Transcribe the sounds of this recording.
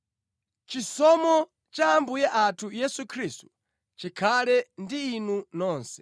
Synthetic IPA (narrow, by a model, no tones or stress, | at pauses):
t͡ʃisɔmɔ | t͡ʃaːmbujɛʔatʰujɛsukʰɾistu̥ | t͡ʃikʰalɛndiːnunɔːnsɛ̥